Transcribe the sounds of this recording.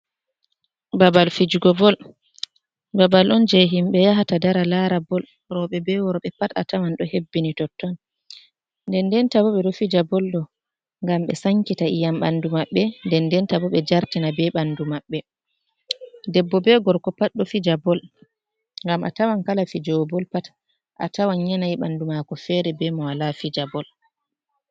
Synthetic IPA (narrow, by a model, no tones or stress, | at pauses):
babalfid͡ʒuɡɔbɔl | babalʔɔnd͡ʒɛɦimɓɛjaɦatadaɾalaɾabɔl | ɾɔɓɛbɛwɔɾɔɓɛpata̰tawanɗɔhebːinitɔtːɔn | ndɛndɛntabɔɓɛɗɔfid͡ʒabɔlɗɔ | ŋɡamɓɛ̰saŋkitaijamɓa̰ndumaɓːɛndɛndɛntabɔɓɛd͡ʒaɾtinabɛɓandumaɓːɛ | dɛbːɔbɛɡɔɾkɔpatɗɔfid͡ʒabɔl | ŋɡamʔa̰tawankalafid͡ʒɔbɔlpat | ʔa̰tawanɲanajɓandumakɔfɛːɾɛbɛmɔwalafid͡ʒabɔl